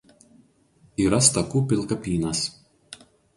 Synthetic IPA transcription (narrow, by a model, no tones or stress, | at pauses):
iːɾɐst̪ɐkuːpʲɪlˠˑkɐpʲiːnɐs